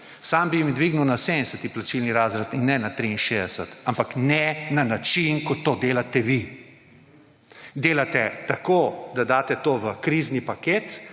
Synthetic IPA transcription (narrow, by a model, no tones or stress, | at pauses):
sambimid̪ʋiɡnuwnasemsɛt̪iplat͡ʃilniɾaːzɾat̪inːɛnat̪ɾiinʃeːd̪ɛsɛt̪ampaknɛnanat͡ʃinkɔt̪ːoːd̪eːlat̪ɛʋi | d̪eːlat̪ɛt̪akod̪ad̪aːt̪ɛt̪oʋəkɾiznipaket̪